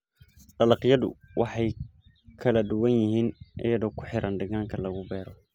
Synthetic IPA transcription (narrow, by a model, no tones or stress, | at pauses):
d̪ɑlɑqjɐðʊ̰wɑħɑj | kʰɐlɐd̪ʊwɐnjɪɦiːnʔɪ̰jɐðɔːkʰʊ̥ħɪɾʔɐnɖɐɣaːŋkʰɐlɐɣʊbɛːɾɔ